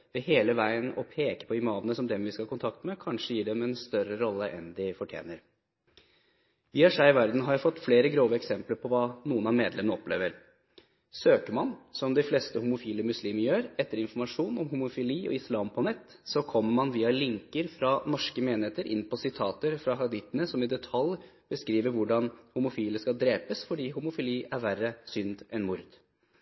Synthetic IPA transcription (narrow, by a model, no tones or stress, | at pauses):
ʋɛheːləʋæɪənɔ̰pʰeːkə̥pʰɔɪmɑːʋənəsɔmd̪ɛmʋɪskɑhɑkʊnt̪ʰɑkt̪mɛkʰɑnʂəjiːɖɛmɛnst̪œɾəɾɔlːəʔɛ̰nd̪ɪfɔʈʰjḛːnəɾ | ʋɪhɑʂæɪɪʋæɾd̪n̩ɦɑɾjæfɔt̪ːfleːɾəɡɾoːʋəɛksɛmpləɾpʰɔʋɑːnuːənɑmeːd̪lɛmənɔplḛːʋəɾ | søːkəmɑnsɔmd̪ɪfleːst̪əhʊmʊfiːləmʉsliːməɾjøːɾɛt̪ːəɾɪnfɔɾmɑʂuːnɔmɦʊmʊfɪliːʔɔ̰ɪslɑːmpʰɔnɛt̪ːsɔkʰɔmːəɾmɑnʋiːɑlɪŋkəɾfɾɑnɔʂkəmeːnɪeːt̪əɾʔɪ̰nːpʰɔsɪt̪ʰɑːt̪əɾfɾɑɦɑd̪ɪt̪ːənəsɔmɪd̪ɛt̪ʰɑlj | b̥əskɾiːʋəɾʋʊɖɑnhʊmʊfiːləskɑd̪ɾeːpəsfɔɖiːhʊmʊfɪliːʔæɾʋærəsʏnd̪ɛnmʊɾd̪